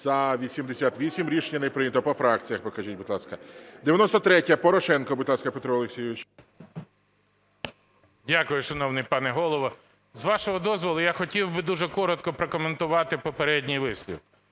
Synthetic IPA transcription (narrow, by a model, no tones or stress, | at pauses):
z̥ɐʋʲisʲimd̪esʲat̪ʋʲisʲimɾʲiʃnʲɐnɪpɾɪnʲɐt̪ɔpɔfɾɑkt͡sʲijɐxpɔkɐʒit̚ʲbʊt̪lˠɑskɐd̪eʋjɐnɔst̪ɔt̪ɾɛtʲjɐpɔɾɔʃɛnkɔbʊt̪lˠɑskɐpet̪ɾɔɔlˠeksʲijɪʋɪt͡ʃ | dʲakʊjʊʃɔnɔwnɪjpɑnɛɦɔlˠɔʋɔ | zʋɑʃɔɦɔd̪ɔzʋɔlˠʊjaxɔtʲiwbɪd̪uʒɛkɔɾɔt̪̚kɔpɾɔkɔment̪ʊʋɑt̪ɪpɔpeɾɛdʲnʲijʋɪsʲlʲḭw